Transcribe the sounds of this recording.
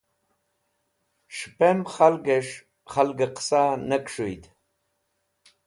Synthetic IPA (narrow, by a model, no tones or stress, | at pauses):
ʂpʰɐmχalɡɐʂ | χalɡaqʰsanɐkʷʰʼʂojtʰʼ